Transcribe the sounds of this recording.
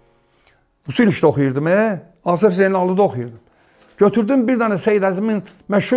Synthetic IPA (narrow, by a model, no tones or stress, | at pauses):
usiliʃd̪oχujuɾd̪ɯme | ɑːsefzenɑlˠud̪ɑoχujuɾd̪ɯm | ɟøt̪ʰyɾd̪ymbiɾd̪ɑnɯsejd̪æziminmæʃhu